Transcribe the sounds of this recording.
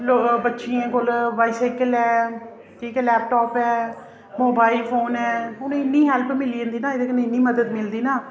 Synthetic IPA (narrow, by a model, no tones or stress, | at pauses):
lobətːʃiãːkolʋaːisaɪkəlɛː | ʈʰiːkɛːlɛːp̚ʈɔːpɛː | moːbaːilpʰoːnɛːʊnẽːɪnːiːɦɛːlpʰmɪliːə̃nd̪iːnaːɪd̪eːkənːẽːɪnːiːməd̪əd̪mɪld̪iːnaː